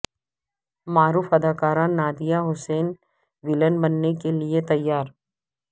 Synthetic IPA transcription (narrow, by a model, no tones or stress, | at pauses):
maːɾuːfɐd̪aːkaːɾãnaːd̪ijaɦʊseːn | ʋɪlənbɐnːekeliet̪ɐjːaːɾ